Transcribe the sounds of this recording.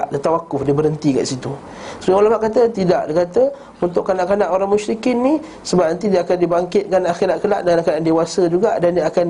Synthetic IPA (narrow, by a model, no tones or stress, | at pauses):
ʔdət̪awakʊfdibəɾənt̪ika̰ʔsit̪u | sɾiŋolamaʔkat̪ət̪idaʔdakat̪ə | unt̪ʊʔkanaʔkanaʔoɾaŋmuʃɾikɪnːi | səbap̚nant̪idiakandibaŋkɪt̪̚kanaʔaxiɾaʔkəla̰ʔdəŋankadaʔandewasəd͡ʒuɡaʔdandiaːkan